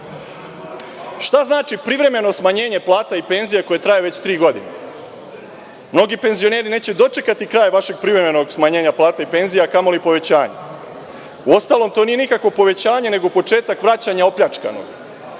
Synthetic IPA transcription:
ʃt̪aznaːt͡ʃipɾiʋɾe̞me̞no̞smaɲe̞ːɲe̞plˠaːt̪aipe̞nzijako̞jet̪ɾajeʋet͡ɕt̪ɾiːɡo̞d̪ine | mno̞ɡipe̞nzio̞ne̞ːɾine̞ːt͡ɕe̞d̪o̞t͡ʃe̞kat̪ikɾaːjʋaʃe̞ɡ̚pɾivɾe̞me̞no̞ɡsmaɲe̞ːɲaplˠaːt̪aipe̞nzijakamo̞lipo̞ʋe̞t͡ɕaːɲḛ | uo̞st̪aːlˠo̞mt̪o̞ːnije̞nikakʋo̞po̞ʋe̞t͡ɕaːɲe̞ne̞ɡo̞po̞t͡ʃe̞ːt̪akʋɾat͡ɕaɲao̞pʎat͡ʃka̰no̰ɡ

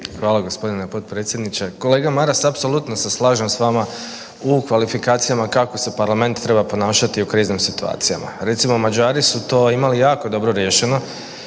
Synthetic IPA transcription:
xʋaːlaɡo̞spo̞d̪inepo̞t̪̚pɾet̪sʲje̞d̪nit͡ʃeko̞le̞ːɡamaɾasapso̞lut̪no̞seslˠaːʒemsʋaːma | ukʋalifikaːt̪sijamakako̞se̞paɾlame̞nt̪t̪ːɾe̞bapo̞naːʃat̪iukɾiːznimsit̪ua̰ːt̪sija̰ma̰ɾe̞t̪simo̞mad͡ʒaːɾisut̪o̞ːimalijaːko̞d̪o̞bɾo̞ɾjeːʃe̞no̞

